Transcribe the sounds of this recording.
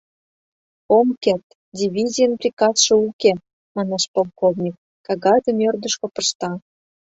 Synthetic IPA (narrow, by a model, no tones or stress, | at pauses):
omket̪ | dʲiβʲizʲijənprʲikɑsʃɤ̆uke | mɑnɑʃpolˠkovnʲik̚ːɑɣɑd̪ə̆mørd̪ə̆ʃkŏpɤʃt̪ɑ